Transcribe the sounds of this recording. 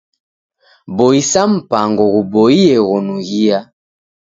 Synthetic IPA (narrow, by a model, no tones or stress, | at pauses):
boisam̩paŋɡɔɣuboiɛɣɔnuɣia